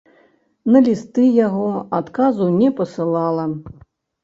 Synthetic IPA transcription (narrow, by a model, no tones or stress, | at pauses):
nɐlʲist̪ɨjaɣɔat̪kazunʲɛpɐsɨlˠalˠɐ